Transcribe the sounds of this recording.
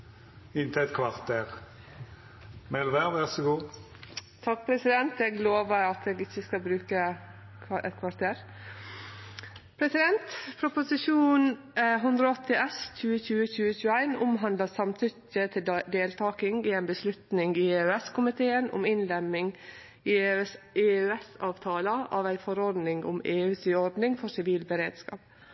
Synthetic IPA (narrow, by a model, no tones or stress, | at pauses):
ɪnt̪ɪɛt̪kʰʋɑʁt̪ʰeːɾ | mɛlʋæʁʋæʁsɔɡuː | t̪ʰɑk̚pʰɾɛsɪd̪ɛnt̪ɛɡloːʋəɾɑt̪ʰeːɡɪçːəskɑbɾʉːkə | ɛ̰t̪kʰʋɑɾt̪ʰeːɾ | pʰɾɛsɪd̪ɛnt̪pʰɾʊpʊsɪʂuːn | ɦʉnd̪ɾɔɔt̪ːɪʔɛsc͡çʉːəçʉːəçʉːəçʉːəæɪnʊmɦɑnd̪ləsɑmt̪ʰʏtət̪ʰɪld̪eːlt̪ʰɑːkɪŋɪɛɪnbəslʉt̪nɪŋɪeʉɛskʰʊmɪt̪ʰeːənʊ̰mɪnlɛmːɪŋ | ɪ | eːʉɛsɑːʋt̪ʰɑːləʔɑʋæɪfɔɾɔɾd̪nɪŋʊ̰meːʉːsiɔɾd̪nɪŋfɔsɪʋiːlbəɾeːd̪skɑ̰ːp